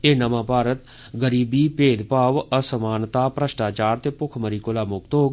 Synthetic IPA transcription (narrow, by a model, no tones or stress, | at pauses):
eːnəmãːpaːɾət̪ | ɡəɾiːbiːpeːd̪paːʋəsəmaːnt̪aːpɾəʃʈaːt͡ʃaːɾt̪eːpʊkʰməɾiːkolaːmʊk̚t̪ɦoː